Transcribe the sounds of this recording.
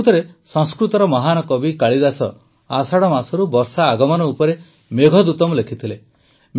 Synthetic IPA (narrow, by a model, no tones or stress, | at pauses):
t̪ɔɾesɔ̃ŋskɾut̪ɔɾɔmɔɦanɔkɔbikaɭid̪asɔ | asaɽɔmasɔɾubɔɾsaːɡɔmɔnɔupɔɾe | meɡʱɔd̪ut̪ɔmɔlekʰit̪ʰile | m